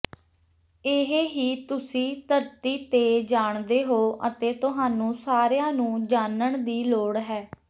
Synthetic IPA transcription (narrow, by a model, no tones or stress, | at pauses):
ɪɦɦiːt̪ʊsĩːt̪əɾt̪iːt̪eːd͡ʒaːɳd̪eːɦoːʔə̰t̪eːt̪ʊɦaːnũːsaːɾejãːnũːd͡ʒaːnəɳd̪iːloːɽɦɛː